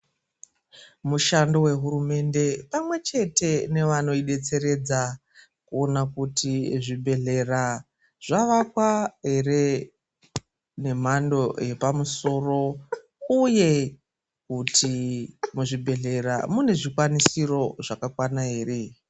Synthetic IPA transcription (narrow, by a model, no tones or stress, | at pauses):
muʃando̞we̞ɦuɾume̞nde̞pamwe̞t͡ʃe̞te̞ne̞ʋano̞iɗe̞t͡se̞ɾe̞d͡za | kuo̞nakutiʐibʱe̞ɮe̞ra | ʐ̥aʋakwaɦe̞re̞ | ne̞m̤ando̞je̞pamuso̞ːro̞ | uje̞ | kutʰimuʐibʱe̞ɮe̞ramune̞ʐikwanisiro̞ʐakakwanaɦe̞ːre̞